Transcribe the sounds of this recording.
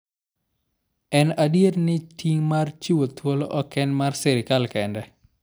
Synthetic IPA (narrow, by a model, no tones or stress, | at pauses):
ɛnadjetnɪtʰiŋmart͡ʃiwot̪ʰwolʔɔkɛnmarsɛɾɪkalkɛndɛ